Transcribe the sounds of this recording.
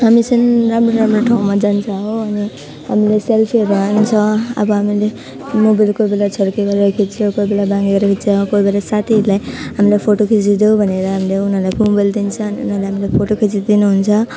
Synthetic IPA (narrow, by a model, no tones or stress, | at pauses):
ɦamit͡sʌnɾamɾoɾamroʈʰaũmad͡zant͡sʰʌɦoʌni | ɦamileselpʰiʌɾuant͡sʰʌʌ̰bʌɦamile | mobajlkojbelat͡sʰʌɾkeɡʌɾeɾʌkʰit͡sʰokoibelabãŋɡeɡʌɾʌkʰit͡sʰʌkoibelasat̪ʰilajɦamilepʰoʈokʰisid̪eubʱʌneɾʌɦamileunɦʌlajubajld̪int͡sʰʌːniṵnʌlaeɦamilapʰoʈokʰisid̪inuɦunt͡sʰʌ